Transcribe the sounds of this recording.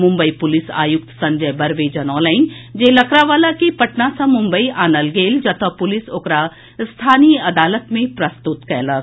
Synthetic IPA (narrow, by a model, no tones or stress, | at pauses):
mʊ̃mbəipʊlɪsa̰ːjʊk̚t̪sɐ̃ɲd͡ʒəjbɐɾʋeːd͡ʒənɔːlaɪnd͡ʒelɐkɾaʋaːlakipɐʈnasɐ̃mʊ̃mbəiʔaːnəlɡeːld͡ʒɐt̪əpʊlɪsoːkɾa | st̪ʰaːnijəɐd̪aːlət̪mẽpɾɐst̪ʊt̪kɛːlə